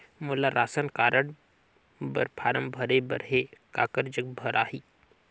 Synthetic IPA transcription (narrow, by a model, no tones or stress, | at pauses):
mʊlaɾʔaːsənkaːɾəɽ | bɐ̰ɾpʰaːɾəmbʱɐɾebə̰ɾɦeka̰ːkəɾd͡ʒək̚bʱɐɾʔaːɦiː